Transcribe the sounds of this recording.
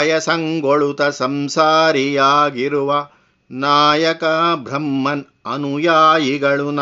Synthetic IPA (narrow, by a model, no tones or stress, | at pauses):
jɐsɐŋɡoɭut̪ɐsɐmsaːɾijaːɡiɾuʋɐ | naːjɐkɐbʱɾɐmːɐn | ɐnujaːjiɡɐɭun